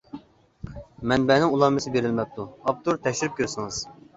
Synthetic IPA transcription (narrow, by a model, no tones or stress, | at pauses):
mɛnbɛnɪŋulˠɑmmɨsɪbeɾɪlmɛp̚t̪ʰuɑp̚t̪uɾt̪ʰɛkʲʃyɾyp̚kʲʰøɾsɨŋɨz̥